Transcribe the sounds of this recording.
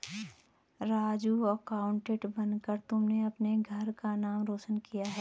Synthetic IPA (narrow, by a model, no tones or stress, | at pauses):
ɾaːd͡ʒuəkaːʊɳʈeːʈbɐnkəɾt̪ʊmneɐpneɡʱɐɾkanaːmɾoːʃənkijaɦɛː